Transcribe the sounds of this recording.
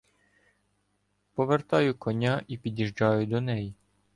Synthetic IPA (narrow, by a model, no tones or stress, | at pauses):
pɔʋert̪ɑjʊkɔnʲaʔipʲidʲiʒd͡ʒɑjʊd̪ɔnɛji